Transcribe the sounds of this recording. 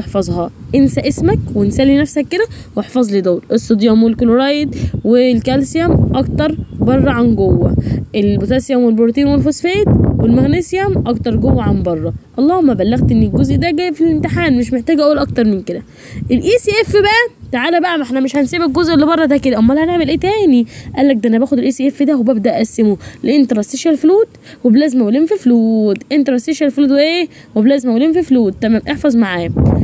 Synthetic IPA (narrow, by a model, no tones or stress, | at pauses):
eħfɑzˤɦɑʔensæʔesmækwensælːinæfsækːed̪æweħfɑzˤlid̪oːɾʔesˤːed̪jɑmwelkoloɾɑjd̪welkælsejæmʔɑkt̪ɑɾˤbɑrˤːɑʕanɡowːæʔelbot̪æsjæmwelboɾˤt̪iːnwelfosfeːt̪welmæɣnesjæmʔɑkt̪ɑɾˤɡowːæʕambɑrˤːɑʔɑlˤːɑːhomːæbælːæɣt̪ʔenːelɡozʔd̪æɡæfilent̪eħaːnmeʃmeħt̪æːɡʔæuːlʔɑk̚t̪ɑɾˤmenked̪æ | ʔelʔiːsiːʔefːbæʔæt̪aʕaːlæbæʔæmeħnæmeʃhænsiːbæk̚ɡozʔelːibɑrˤːɑd̪æked̪æʔæmːælæhæneʕmelʔeːt̪æːniʔælːæk̚d̪æʔænæbæːxod̪elʔeːsiʔefːid̪æhobæbd̪æʔʔæsːemoleʔent̪ɾˤɑst̪ːeʃælfluːd̪ | weblæːzmæweleːmfifluːd̪ʔent̪ɾˤɑst̪ːeʃælfluːd̪weʔeː | weblæːzmæweleːmfifluːd̪̚ːæmæbʔeħfɑzˤmaʕaːjæ